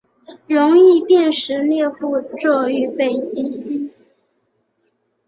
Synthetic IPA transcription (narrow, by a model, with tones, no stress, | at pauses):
ɻʊ˧˥ŋi˥˧pjɛ˥˩nʂɻ̩˧˥ljɛ˥˧xu˥˧ʈ͡ʂɔ˥˩y˧˥pe˥˩ɪt͡ɕi˥nɕi˥n